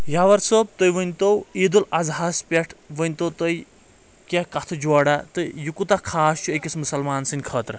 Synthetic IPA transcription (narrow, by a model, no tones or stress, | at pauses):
jaʋɐɾsəb̚t̪ojʋənʲt̪owiːd̪ulɐzɦaːspʲeʈʰʋənʲt̪owt̪əj | kʲakat̪ʰud͡ʒɔːɽat̪ɨjukut̪akʰaːst͡ʃʰuekʲismusɐlmaːnsɨnʲkʰəːt̪ɾɐ